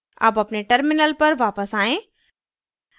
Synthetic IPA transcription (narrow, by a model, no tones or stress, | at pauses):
ɐ̰pɐpneʈɐɾmɪnəlpɐɾʋaːpəsaːẽː